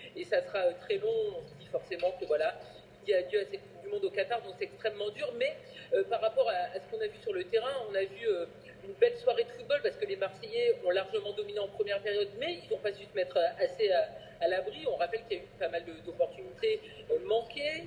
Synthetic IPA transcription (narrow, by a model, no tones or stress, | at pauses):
esasəχaøt̪χɛlɔ̃ɔ̃səd̪ifɔʁsemɑ̃kəvwala | iljiad̪jøasɛkud̪ymɔ̃d̪okat̪aʁd̪ɔ̃ksɛt̪ɛkst̪χɛmːɑ̃d̪yʁmɛøpaʁːapɔʁaːsə̥kɔ̃navysyʁlət̪eʁɛ̃ɔ̃navyø | ynbɛlswaʁed̪əfut̪̚bɔlpaʁsə̥kəlemaʁsejeɔ̃laʁʒəmɑ̃d̪ɔmineɑ̃pχəmjɛʁpeʁjɔd̪mɛilzɔ̃pasysəmɛt̪χʔasea | alabʁiɔ̃ʁapɛlkʲiljaypamald̪əd̪ɔpɔʁt̪ynit̪e | ømɑ̃kʲe